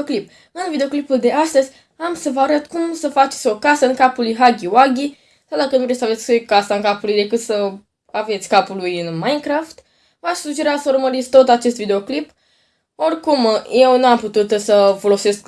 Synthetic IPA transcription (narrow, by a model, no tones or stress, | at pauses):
klip̚ | ɨnvid̪eo̞klipuld̪e̞ast̪əzʲ | amsəvəaɾəd̪kumsəfat͡ʃet̪sʲo̞kasəɨŋkapulujɦaɡʲiwaɡʲi | sad̪akənuvɾesave̞t̪sʲjkasaɨŋkapulujd̪e̞kɨt̪sə | ave̞t̪sʲkapulujɨnmajnkɾaft̪ | vaʃsud͡ʒeɾasəuɾməɾit̪sʲt̪o̞t̪at͡ʃe̞st̪vid̪eo̞klip | o̞rkumje̞wnuamput̪ut̪səfo̞lo̞se̞sk